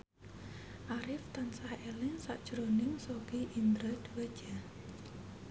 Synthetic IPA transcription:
ʔaɾɪft̪ansahelɪŋsa̰ʔd̥ʒ̥ɾonɪŋsob̥iʔind̪ɾad̪̥uwe̥d͡ʒ̥a

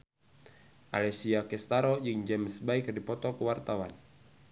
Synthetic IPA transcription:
ʔa̰lɛsiakɛst̪aɾɔjɨŋd͡ʒɛmsbaikrdipɔt̪ɔkəwart̪awan

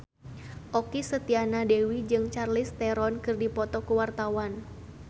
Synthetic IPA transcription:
ʔɔkisət̪ianadewid͡ʒɨŋt͡ʃarlɪst̪ɛɾɔnkɨrdipɔt̪ɔkuwart̪awan

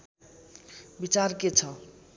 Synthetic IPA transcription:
bit͡sarket͡sʰʌ

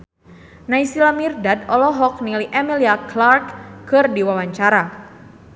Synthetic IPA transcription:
naisilamirdad̪̚ɔlɔɦɔk̚niliʔɛmiliaklarkːɨrdiwawaɲt͡ʃaɾa

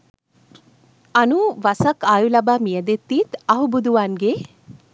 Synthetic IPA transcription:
ɐnuʋɐsɐkaːjulɐbaːmijɐd̪et̪ːiːt̪ɐɦubud̪uʋaːnɡeː

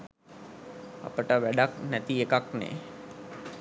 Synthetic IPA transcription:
a̰pəʈəʋæɖaknæt̪iekaknḛ

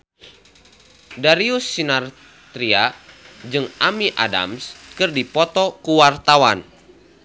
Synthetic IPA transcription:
daɾiusːinar | t̪ɾiad͡ʒɨŋamiʔa̰da̰mskɨrdipɔt̪ɔkuwart̪awan

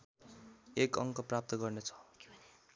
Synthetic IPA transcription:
ekʌŋkʌprap̚t̪ʌɡʌrnet͡sʰʌ̥

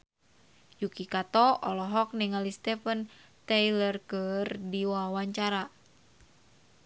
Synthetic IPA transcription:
jukikat̪ɔɔlɔɦɔk̚niŋalist̪ɛfən | t̪ɛjlərkɨrdiwawaɲt͡ʃaɾa

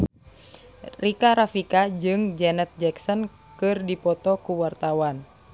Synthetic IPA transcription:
rikaɾafikad͡ʒɨŋd͡ʒɛnɛt̪̚d͡ʒɛksɔn | kɨrdipɔt̪ɔkuwart̪awan

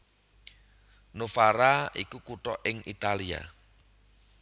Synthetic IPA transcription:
nofaɾaikukuʈɔʔɪŋit̪alia̰

